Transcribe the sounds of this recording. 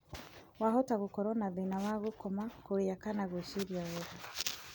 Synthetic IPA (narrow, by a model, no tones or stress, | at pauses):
waɦotaɣukoɾonaðinawaɣukomakuijakanaɡuʃiɾjaɣoβa